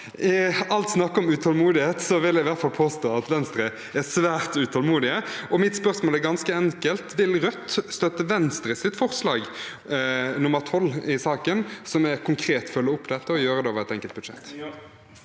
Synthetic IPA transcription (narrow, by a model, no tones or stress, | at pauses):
ʔɪɑlt̪snɑkːəɔmʉt̪ʰɑlmuːd̪ɪheːt̪sɔʋɪljæɪʋæɾt̪fɑlpʰoːst̪oːɑt̪ʋɛnst̪ɾə | æsʋæːɾt̪ʉt̪ʰɔlmuːd̪ɪəɔmɪt̪spœʁsmoːlæɾɡɑnskəɛŋkəlt̪ʋɪlɾœt̪ːst̪œt̪ːəʋɛnst̪ɾəsɪt̪fɔʁslɑːɡ | nʊmːəʁt̪ʰɔlːɪsɑːkənsɔmɛɾkʰʊŋkʰɾeːt̪fœlːəʊpːd̪ɛt̪ːəɔjøːɾəd̪ɛoːʋəɾɛt̪ɛŋkəlt̪̚bʉd̪ʂɛt̪ː